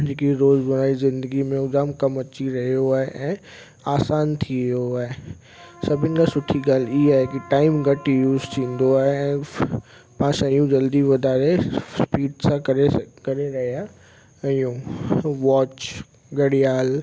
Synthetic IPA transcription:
d͡ʑeːkiɾoːzbʱɐnaːizɪ̃nd̪əɡimẽʊɡzaːmkɐmɐt͡ɕiɾɐɦijoaːɦeʔɛ̃ː | aːsaːnt̪ʰiʋijoaːɦe | sɐbʱɪnɪ̆kʰãsʊʈʰiɡaːliːaːɦekiʈaːɪmɡɐʈjuːzt̪ʰĩːn̆d̪oaːɦeɛ̃ː | pãːsãijũd͡ʑɐld̪iʋɐd̪ʱaːɾespiːɖsãkɐɾekɐɾeɾɐɦija | ijũʋaːt͡ʃ | ɡɐɽɪjaːl

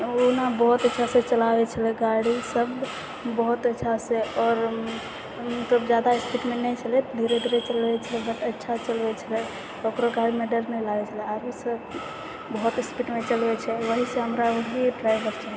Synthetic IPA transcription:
onabəɦut̪ətːʃʰasẽt͡ʃəlaʋɛt͡ʃʰəlɛɡaɽisəbː | əɦut̪ətːʃʰaseɔːɾ | məsləbd͡ʒad̪aspiʈmenɛjt͡ʃʰəlɛt̪d̪ʱiɾed̪ʱiɾet͡ʃəlbɛt͡ʃʰɛbəʈətːʃʰat͡ʃəlbɛt͡ʃʰəlɛ | okɾoɡaɽimeɖəɾnɛlaɡɛt͡ʃʰəlɛaɾosəb | bəɦut̪spiʈmet͡ʃəlbɛt͡ʃʰɛʋəɦisẽɦəmɾaəɦiʈɾajbɾəkt͡ʃʰə

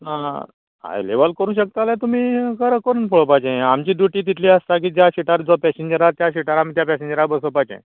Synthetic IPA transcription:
na | a̰jleʋəlkəɾũɕək̚t̪alat̪um̤iːkəɾəkəɾuːnpʰəɭəpajd͡ʑẽamt͡ɕiːd̪uʈiːt̪̬it̪ʰliːəst̪ak̬iːd͡ʑjaɕiʈaɾd͡zɔpɛseɲd͡ʑəɾat̪jaɕ̬iʈaɾamit̪japɛseɲd͡ʑəɾabəsəpajd͡ʑḛ̃

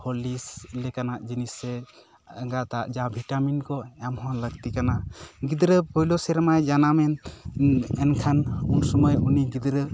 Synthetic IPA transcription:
pɔlislɛkanaʔd͡ʒinisːɛ | əŋɡat̪aʔd͡ʒabʱiʈaminkɔamɦɔ̃ləɡt̪ikanaɡid̪ɾəpɔjlɔsɛɾmajd͡ʒanamɛn | ɛnkʰanunsɔmɔjuniɡid̪ɾə

